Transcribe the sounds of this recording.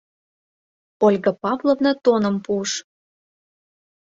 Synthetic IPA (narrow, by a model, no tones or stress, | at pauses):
olʲɣɤpɑvlovnɤt̪onə̆mpuəʃ